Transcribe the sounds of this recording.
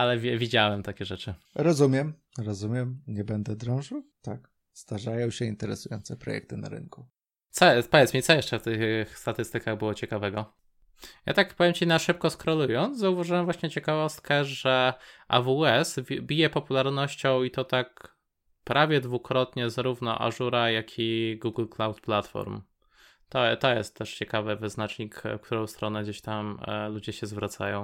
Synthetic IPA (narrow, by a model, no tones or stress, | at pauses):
alɛvʲɛvʲid͡ʑawɛmt̪akʲɛʐɛt͡ʂɘ | ɾɔzumʲjɛm | ɾɔzumʲjɛmɲɛbɛnd̪ɛd̪ɾɔ̃w̃ʐɘwt̪ak | st̪aʐajɔ̃w̃ɕɛint̪ɛɾɛsujɔnt̪sɛpɾɔ̰jɛ̰k̚t̪ɘna̰ɾɘ̰ŋku | t̪sɔpɔvʲjɛt̪smʲit̪sɔjɛʂt͡ʂɛft̪ɘxxst̪at̪ɘst̪ɘkaɣbɘwɔt͡ɕɛkavɛɡɔ | ja̰t̪akpɔvʲjɛmt͡ɕinaʂɘp̚kɔskɾɔlujɔnt̪zzauvaʐɨwɛmvwaɕɲɛt͡ɕɛkavɔst̪̚kɛʐɛʔa̰vuɛsbʲijɛpɔpulaɾnɔɕt͡ɕɔ̃w̃it̪ɔt̪ak | pɾʔavʲjɛd̪vukɾɔt̪ɲɛzaɾuvnɔ̰ʔa̰ʐuɾajakʲʰiɡuɡlklawt̪plat̪fɔ̰ɾm | t̪ɔt̪ɔjɛst̪ːɛʂt͡ɕɛkavɛvɘznat͡ʂɲikkt̪uɾɔ̃w̃st̪ɾɔnɛɡd͡ʑeɕt̪amlud͡ʑɛɕɛzvɾat̪sa̰jɔ̃w̃